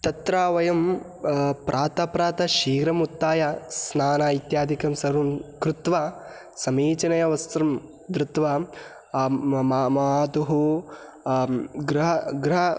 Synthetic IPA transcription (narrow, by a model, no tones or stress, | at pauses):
t̪ɐt̪ɾaːʋɐjɐm | pɾʔaːt̪ɐpɾaːt̪ɐʃiːɡɾɐmut̪ːaːjɐsnaːnaːit̪jaːd̪ʱikɐmsɐɾumkɾut̪ʋa | sɐmeːt͡ʃɐnɐjɐʋɐst̪ɾɐm | d̪ɾut̪ʋaː | mmɐaːt̪uɦu | ɡɾɦɐɡɾɐɦɐ